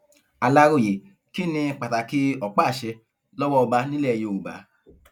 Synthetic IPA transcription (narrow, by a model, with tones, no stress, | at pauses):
a˨˧la˧ɾo˦˨je˨ | ki˦nĩ˧k͡pa˨ta˨ki˧˦ɔ˨k͡pa˦˨ʃɛ˧ | lɔ˦wɔ˦ɔ˧ba˧nĩ˦lɛ˦˨˧je˧˨u˨ba̰˨˦